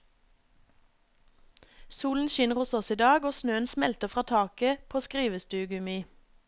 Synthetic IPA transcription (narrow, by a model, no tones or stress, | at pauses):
suːln̩ʃɪnəʁhʊsɔsiːd̪ɑːɡoːsnøːənsmɛlt̪əfʁɑːt̪ʰɑːkəpʰoːskʁiːʋəst̪ʉːɡʉmiː